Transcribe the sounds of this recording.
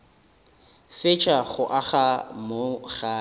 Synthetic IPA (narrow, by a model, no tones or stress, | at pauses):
fɪt͡ʃʰʼaχʊʔaχamoχaː